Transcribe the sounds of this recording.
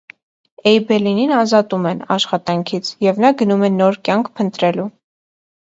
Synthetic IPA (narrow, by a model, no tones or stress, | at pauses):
ɛjbɛlininɑzɑt̪umɛnɑ̰ʃχɑt̪ɑŋkʰit͡sʰjɛvnɑɡənumɛnɔɾkʲjɑŋkʰpʰənt̪ɾɛlu